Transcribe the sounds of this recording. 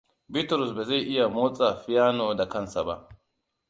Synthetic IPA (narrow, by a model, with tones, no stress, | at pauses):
bɪ˦tɾʊ˨s̬bɛ˨za˦˨ʔɪ˦ja˨moː˦t͡sʼa˨fɪ˦jaː˦noː˨da˨kɐ˦nsa˨ba̰˦